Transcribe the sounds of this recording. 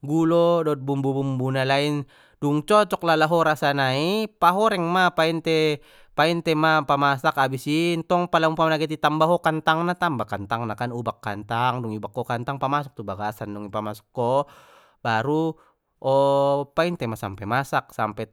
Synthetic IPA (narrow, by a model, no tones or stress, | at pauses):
ɡulɔdɔt̪̚bumbubumbunalain | duŋt͡ʃɔt͡ʃɔk̚lalaɦɔɾasanaipaɦɔɾɛŋmapaint̪ɛ | paint̪ɛmapamasakabisint̪ɔŋpalamupamlaɡɛt̪̬it̪ambaɦɔkant̪aŋnat̪ambakant̪aŋnakanubakːant̪aŋduŋibakːɔkant̪aŋpamasɔk̚t̪ubaɡasanduŋipamasɔ̥kːɔ | baɾu | ɔpaint̪ɛmasa̰mpɛmasak̚sampɛ